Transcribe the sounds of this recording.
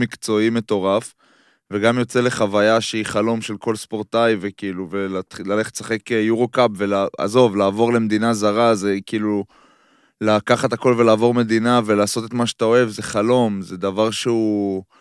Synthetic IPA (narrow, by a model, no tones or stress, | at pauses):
mikt͡so̞ime̞t̪o̞ʁaf | ve̞ɡamjo̞t͡se̞le̞χavajaʃeiχalo̞mʃe̞lko̞lspo̞ʁt̪ajve̞kiːluvelatχilale̞χet̪sḁχe̞kjuʁokapve̞laa̰zo̞vlaːvo̞ʁle̞med̪inazaʁaze̞kiːlu | lakaχat̪ako̞lve̞laːvo̞ʁme̞d̪inave̞laːso̞t̪et̪maʃe̥t̪ao̞e̞vze̞χalo̞mze̞d̪avaʁʃeu